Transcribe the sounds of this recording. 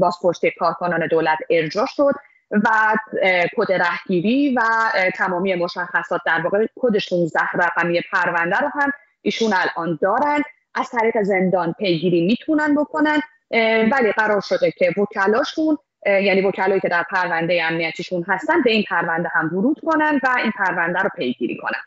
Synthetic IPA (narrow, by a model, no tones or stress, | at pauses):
bɒːzpʰoɾʃt̪iekʰɒːɾkʰonɒːne̞d̪olæt̪ʰe̞ɾd͡ʒɒːʃo̞d̪̥ | væ | kʰod̪eɾæhɟ̥iːɾiːvæt̪ʰæmɒːmijemo̞ʃæxːæsɒːt̪̚d̪æɾvɒːɣekʰo̞d̪e̞ʃunzæhɾæɣæmije̞pʰæɾvænd̪æɾoɦæm | ʔiːʃunælʔɒːnd̪ɒːɾænd̪ | ʔæz̥t̪ʰæɾiːɣe̞ze̞nd̪ɒːnpʰe̞jɡiːɾiːmiːt̪ʰunænbo̞kʰo̞nænd̪̥ | væliɢæɾɒːɾʃo̞d̪e̞cʰe̞vocʰælɒːʃun | jæːniːvo̞cʰælɒːjiːcʰe̞d̪æɾpʰæɾvænd̪e̞jeæmnijæt̪ʰiːʃunɦæst̪ænd̪be̞iːnpʰæɾvænd̪eɦæmvuɾuːd̪̥kʰo̞nænd̪væiːnpʰæɾvænd̪æɾɔːpʰe̞jɡḭːɾḭːkʰo̞̰næ̰nd̪̥